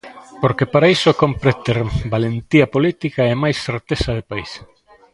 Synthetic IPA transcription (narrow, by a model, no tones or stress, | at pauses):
poɾkepaɾaisokompɾet̪eɾbalent̪iɐpolit̪ikɐemajsθeɾt̪esɐðepais